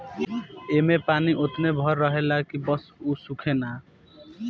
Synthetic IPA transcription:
emepaniʔot̪ʰnebʱʌɾːʌɦelakibʌsusukʰena

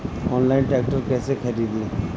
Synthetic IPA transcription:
ɔːnlaːɪnʈɾɛːk̚ʈəɾkɛːsekʰɐɾiːd̪lẽː

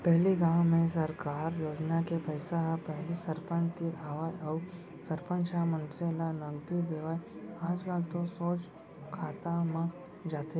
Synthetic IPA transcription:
pɛɦliɡãwmẽs̬ɐɾkaːɾjoːd͡ʒnakepəɪsaɦapɛɦlisɐɾpə̃nt̪iɾaːʋaːjɔ | sɐɾpə̃nt͡ʃamənselanɐɡd̪id̪eːʋaːjaːd͡ʒkaːlt̪osoːt͡ʃ | kʰaːt̪amã | d͡ʒaːt̪e

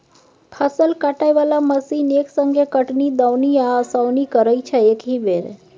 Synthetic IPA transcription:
pʰəsəlkaʈajʋalaməsineksəŋɡʱekəʈniːd̪awnijasawnikəɾəjt͡ʃʰəekɦibeɾ

